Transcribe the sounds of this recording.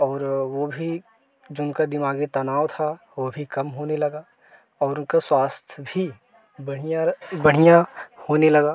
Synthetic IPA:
ɔːɾʋobʱi | d͡ʒoʊnkad̪ɪmaːɡit̪ɐnaːʋt̪ʰa | ʋobʱikɐmɦoːnelɐɡaː | ɔːɾʊnkaswaːst̪ʰjbʱi | bɐɽjabɐɽ̤ijãhoːnelɐɡaː

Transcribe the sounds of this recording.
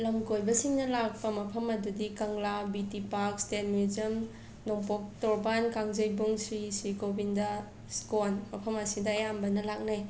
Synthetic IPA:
lɐmkojbɐsiŋnɐlak̚pɐmɐpʰɐmɐdudikɐŋlabitipaɾk̚stetmizɐm | noŋpok̚tɔɾbankaŋzɐjbuŋsɾisikobindɐ | skonmɐpʰɐmɐsidɐːjambɐnɐlak̚nej

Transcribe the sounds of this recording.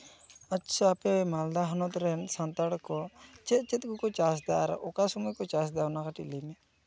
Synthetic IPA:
atːsʰapɛmald̪aɦɔnɔt̪ɾɛnsant̪aɽkɔt͡ʃɛt̪̚t͡ʃɛt̪̚ˀɡukɔt͡ʃasd̪aʔɾ̰ʔɔkasɔmɔjkɔt͡ʃas̬d̪anakaʈḭləmɛ

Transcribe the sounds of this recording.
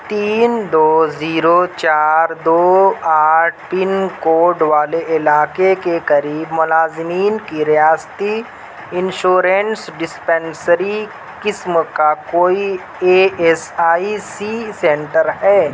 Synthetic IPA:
t̪iːnd̪oːziːɾot͡ʃaːɾd̪oːaːʈpinkoːɖʋaːleʔɪlaːkekekɐɾiːbmʊlaːzɪmiːnkiɾijaːst̪i | ɪnʃoːɾẽnsɖɪspɛ̃nsəɾi | kɪsmkakoːi | eːɛsaːisisɛ̃ɳʈəɾɦɛː

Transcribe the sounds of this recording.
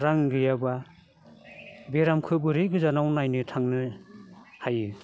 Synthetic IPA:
ɾaŋɡɯjaba | beɾamkʰɯbɯɾɯjɡɯzanawnajnɯtʰaŋnɯ | hajɯ

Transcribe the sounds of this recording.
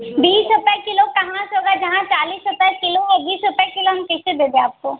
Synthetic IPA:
biːsɦʊpɛkɪlokɐɦãsoːɡad͡ʒɐɦãt͡ʃaːliːsɦʊpɛkɪloɔbiːsɦʊpɛkɪloɦɐmkɪsed̪eːd̪eaːp̚koː

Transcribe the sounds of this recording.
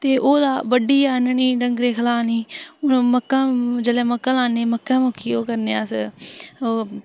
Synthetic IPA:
t̪eːʔoːd̪aːʋəɖiːaːnəɳiːɖəŋɡɾeːkʰəlaːniːməkːãːd͡ʒəlẽːməkːãːlãːneːməkːãːmoːkʰːiːoːkəɾneːaːs | oː

